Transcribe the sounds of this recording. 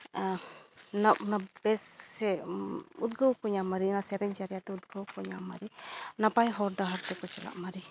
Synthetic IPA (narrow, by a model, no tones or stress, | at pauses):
nap̚nabɛsɛ | ut̪̚ɡəwkɔɲamaɾinasɛɾɛɲd͡ʒaɾjat̪ɛud̪̚ɡəwkɔɲamːa̰ɾinapajɦɔɾɖaɦaɾt̪ɛkɔt͡ʃɛla̰ʔmaɾi